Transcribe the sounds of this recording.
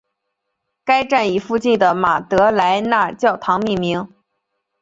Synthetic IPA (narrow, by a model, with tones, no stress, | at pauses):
ka˥ɪʈ͡ʂa˥˩ni˨˩fu˥˧t͡ɕi˥˩nd̪ə˩ma˨˩t̪ɤ˧˥la˧˥ɪna˥˧t͡ɕjɑ˥˩ʊt̪ʰɑ˧˥ŋmi˥˩mi˧˥ŋ